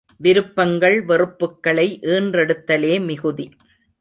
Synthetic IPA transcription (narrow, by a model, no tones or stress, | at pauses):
ʋɪɾɯpːɐŋɡɐɭʋɛrɯpːɯkːɐɭɐɪʔeːndrɛɽɯt̪ːɐleːmɪɣɯði